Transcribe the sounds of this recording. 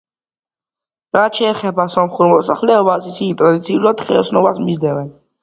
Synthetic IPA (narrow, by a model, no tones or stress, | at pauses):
ɾat̪ʃɛːχɛbasɔmχuɾmɔsa̰χlɛɔbasisit̪ʼɾad̪it̪sʰiulad̪̥χɛɔsnɔvasmizd̪ɛvɛn